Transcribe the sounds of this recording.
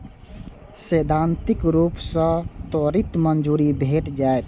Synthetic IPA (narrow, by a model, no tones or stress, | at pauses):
seːd̪ʱãnt̪ikɾuːpsə̃t̪oɾit̪mənd͡ʒuːɾibʱeʈd͡ʒaet̪